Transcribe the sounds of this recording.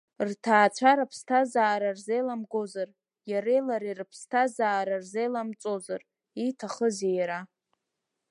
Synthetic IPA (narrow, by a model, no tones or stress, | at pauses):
rtʰaːt͡ʃʷʰaɾapʰstʰazaːɾarzejlamɡo̞zar | jaɾejlaɾirɨpʰstʰazaːɾarzejlamt͡sʼozar | itʰaχəzejaɾa